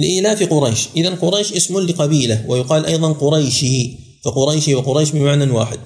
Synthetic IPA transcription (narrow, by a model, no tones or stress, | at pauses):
lʔiːlafiqʊɾˤɑjʃʔɪðanqʊɾˤɑjʃʔɪsmʊlɪqɑbiːlawɪjʊqɑːlʔɑjðˤɑnqʊɾɑjʃɪ | faqʊɾˤɑjʃɪwɪqʊɾˤɑjʃmɪnmaʕnawa̰ːħɪd̪̚